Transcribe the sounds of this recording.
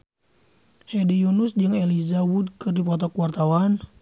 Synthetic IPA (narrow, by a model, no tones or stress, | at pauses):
hedijunusd͡ʒɨŋɛlizawud̚kɨrdipɔt̪ɔkuwart̪awan